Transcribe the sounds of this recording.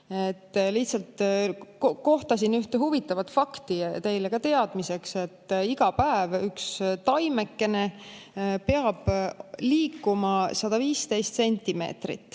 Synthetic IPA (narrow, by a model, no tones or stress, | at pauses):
e̞t̪ːliht̪sɑlt̪kko̞ht̪ɑsinyht̪e̞ɦuvit̪ːˑɑvɑt̪fɑkt̪it̪e̞jlekɑt̪e̞ɑd̪̥mise̞kse̞t̪ːiɡ̥ɑpæevykst̪ɑjme̞kːe̞ne̞ | pe̞ɑb̥liːkːumɑsɑd̪̥ɑviːst̪e̞jst̪se̞nʲt̪ʲːime̞̰ːt̪rḭt̪ːˑ